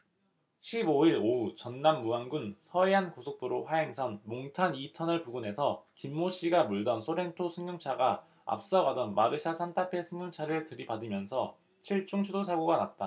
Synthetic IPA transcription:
ɕʰiboiɾout͡ɕʌnːamːuanɡunsʰʌeɦankosʰok̚p͈uɾoɸwaeŋsʰʌnmoŋtʰanitʰʌnɯɭpuɡune̞sʰʌkimːoɕ͈iɡamuɭdʌnsʰoɾe̞ntʰosʰɯŋɲuŋt͡ɕʰaɡa | a̰p̚s͈aɡadʌnmaɾɯɕʰasʰantʰapʰe̞sʰɯŋɲjuŋt͡ɕʰaɾɯɭtɯɾibadɯmjʌnsʰʌ | t͡ɕʰiɭt͡ɕ͈uŋt͡ɕʰudos̬ʰaɡoɡanat̚t͈a

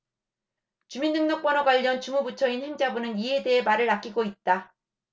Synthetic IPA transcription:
t͡ɕumindɯŋnʌk̚p͈ʌnʌɡwaʎːʌnt͡ɕumubut͡ɕʰʌinheŋd͡ʑabunɯnie̞de̞ɦemaɾɯɾak͈iɡoit̚t͈a

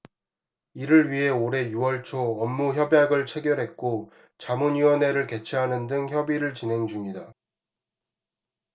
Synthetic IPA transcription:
iɾɯɭɥiɦe̞oɾe̞juwʌɭt͡ɕʰoʌmːuçjʌbjaɡɯɭt͡ɕʰe̞ɡjʌɾɦe̞t̚k͈o | t͡ɕamuɲiwʌne̞ɾɯɭke̞t͡ɕʰiɦanɯndɯŋçjʌbiɾɯɭt͡ɕinɦe̞ŋd͡ʑumɲida

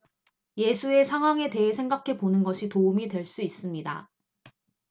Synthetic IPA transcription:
je̞sʰue̞sʰaŋɦwaŋe̞te̞ɦe̞sʰe̞ŋɡakʰe̞ponɯnɡʌɕʰitoumidwe̞ɭs͈uis͈ɯmɲida̰

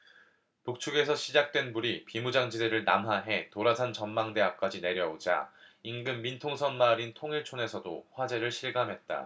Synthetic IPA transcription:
puk̚t͡ɕʰuɡe̞sʰʌɕʰid͡ʑak̚t͈we̞nbuɾipimud͡ʑaŋd͡ʑideɾɯɭnamɦaɦe̞toɾasʰant͡ɕʌnmaŋde̞ɦak̚k͈ad͡ʑine̞ɾjʌod͡ʑa̰inɡɯmːintʰoŋsʰʌnmaɾintʰoŋiɭt͡ɕʰone̞sʰʌdoɸwad͡ʑe̞ɾɯɭɕʰiɭɡamɦe̞t̚t͈a̰

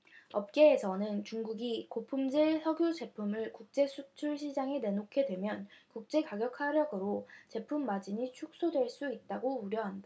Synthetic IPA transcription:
ʌp̚k͈e̞ːsʰʌnɯnt͡ɕuŋɡuɡikopʰumd͡ʑesʰʌɡjod͡ʑe̞pʰumɯɭkuk̚t͡ɕ͈e̞sʰut͡ɕʰuɭɕʰid͡ʑaŋene̞nokʰe̞dwe̞mjʌnkuk̚t͡ɕ͈e̞kaɡjʌk̚ʰhaɾjʌɡɯɾot͡ɕe̞pʰumːad͡ʑiɲit͡ɕʰuk̚s͈odwe̞ɭs͈uit̚t͈aɡouɾjʌɦanda

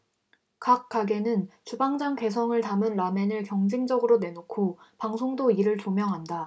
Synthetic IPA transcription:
kak̚k͈aɡe̞nɯnt͡ɕubaŋd͡ʑaŋke̞sʰʌŋɯɭtamɯnɾame̞nɯɭkjʌŋd͡ʑiŋd͡ʑʌɡɯɾone̞nokʰopaŋsʰoŋdoiɾɯɭt͡ɕomjʌŋɦanda

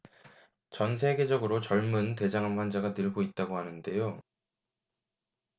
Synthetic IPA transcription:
t͡ɕʌnsʰeɡe̞d͡ʑʌɡɯɾot͡ɕʌɭmunte̞d͡ʑaŋɦanɸwand͡ʑaɡanɯɭɡoit̚t͈aɡohanɯnde̞jo

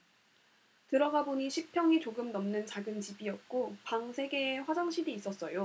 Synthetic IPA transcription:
tɯɾʌɡaboɲiɕʰik̚pʰjʌŋit͡ɕoɡɯmnʌmnɯnt͡ɕaɡɯnt͡ɕibiʌt̚k͈opaŋsʰe̞ɡe̞ːɸwad͡ʑaŋɕʰidiːs͈ʌs͈ʌjo

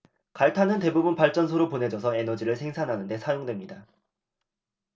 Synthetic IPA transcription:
kaɭtʰanɯnte̞bubunpaɭt͡ɕ͈ʌnsʰoɾopone̞d͡ʑʌsʰʌe̞nʌd͡ʑiɾɯɭsʰeŋsʰanɦanɯnde̞sʰajoŋdwe̞mɲida

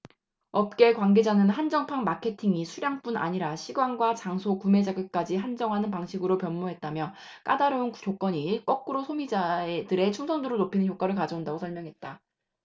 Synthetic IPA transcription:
ʌp̚k͈e̞kwanɡe̞d͡ʑanɯnɦand͡ʑʌŋpʰaŋmakʰe̞tʰiŋisʰuɾjaŋp͈una̰ɲiɾaɕʰiɡwaŋɡwat͡ɕaŋsʰokume̞d͡ʑaɡɯk͈ad͡ʑiɦand͡ʑʌŋɦanɯnpaŋɕʰiɡɯɾopjʌnmoɦe̞t̚t͈amjʌ | k͈adaɾounkjok͈wʌɲik͈ʌk̚k͈ɯɾosʰomid͡ʑaedɯɾe̞t͡ɕʰuŋsʰʌŋdɯɾonopʰinɯnçjok͈aɾɯɭkad͡ʑʌundaɡosʰʌmjʌŋɦe̞t̚t͈a

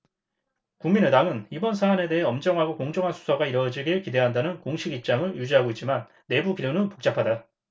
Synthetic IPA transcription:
kuŋminetaŋɯnibʌnsʰaːne̞de̞ɦeʌmd͡ʑʌŋɦaɡokoŋd͡ʑʌŋɦansʰu̥sʰʌɡaiɾʌd͡ʑiɡekide̞ɦandanɯnkoŋɕʰiɡip̚t͡ɕ͈aŋɯɭjud͡ʑiɦaɡoit̚t͡ɕ͈imanːe̞bukiɾjonɯnpo̥k̚t͡ɕ͈apʰada

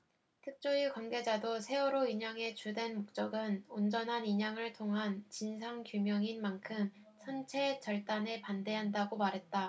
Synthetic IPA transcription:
tʰɯk̚t͡ɕ͈oikwanɡe̞d͡ʑadosʰe̞ʌɾoiɲaŋe̞t͡ɕudwe̞nmok̚t͡ɕ͈ʌɡɯnond͡ʑʌnɦaniɲaŋɯɭtʰoŋɦant͡ɕins̬ʰaŋkjumjʌŋinmankʰɯm | sʰʌnt͡ɕʰe̞t͡ɕʌɭt͈anepande̞ɦandaɡomaɾɦe̞t̚t͈a

